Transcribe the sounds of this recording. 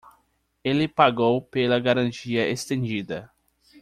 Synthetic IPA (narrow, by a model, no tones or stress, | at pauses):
elɪpaɡowpelɐɡaɾɐ̃nt͡ʃiɐʔest̪ẽnd͡ʒid̪ɐ